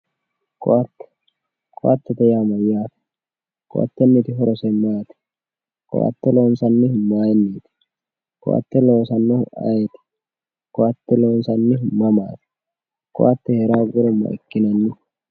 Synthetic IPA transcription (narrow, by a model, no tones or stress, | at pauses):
kʼɔʔɐt̪ːɛ̥ | kʼʔat̪ːɛt̪ɛjaːmɐjːaːt̪ɛ̥ | kʼʊ̰ʔa̰t̪ːɛnːit̪ɪɦɔɾɔsɛmːaːjt̪ɛ̥ | kʼɔ̰ʔa̰t̪ːɛloːnsɐnːɪhʊmːaːjɛnːiːt̪ɪ̥ | kʼɔ̰ʔa̰t̪ːɛlo̞ːsɐnːɔʊa̰jeɛt̪ɛ̥ | kʼɔ̰ʔɐt̪ːɛloːnsɐnːɪɦʊmːɐma̰ːt̪ɛ̥ | kʼɔ̰ʔɐt̪ːɛhɛɾaːɡʊɾɔmːɐ̰ʔɪ̰kːɪnɐnːɪ